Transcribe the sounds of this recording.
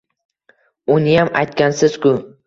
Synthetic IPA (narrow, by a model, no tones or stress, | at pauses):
ʊnɪjamajt̪̚kʲansɪz̥kʊ